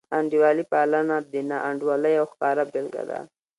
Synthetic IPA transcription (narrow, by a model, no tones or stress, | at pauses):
aɳɖiwɑlipaːlanad̪ənaʔaɳɖwaləjawxkɑːɾabɪlɡa̰d̪a̰